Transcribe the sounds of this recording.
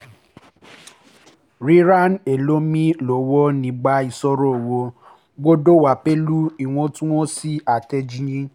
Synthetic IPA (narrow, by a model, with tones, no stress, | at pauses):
ɾi˦ɾa˦ne˨lo˦mĩ˦lo˨˦wɔ˦nĩ˧˦ɡ͡ba˧˦i˦˨sɔ˧ɾɔ˦˨wo˧ | ɡ͡bo˦do˦wa˨pe˦lu˦i˨w̃ɔ̃˧tũ˦w̃ɔ̃˦si˦a˨tɛ˧d͡ʒi˧jĩ˦